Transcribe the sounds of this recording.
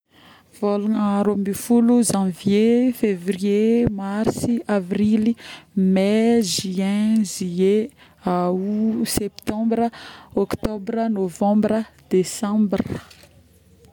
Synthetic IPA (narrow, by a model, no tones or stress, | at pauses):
v̥olunaɾomifuluzãvjefevriemaɾsiavrilimeʒiɛ̃zie | awusɛpt̪ɑ̃mbrəɔkt̪ɔbrənovɑ̃mbrəd̪̥esɑ̃mbr